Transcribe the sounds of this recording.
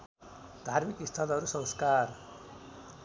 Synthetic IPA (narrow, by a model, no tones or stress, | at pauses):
d̪ʱarmikist̪ʰʌlɦʌɾusʌ̃wskar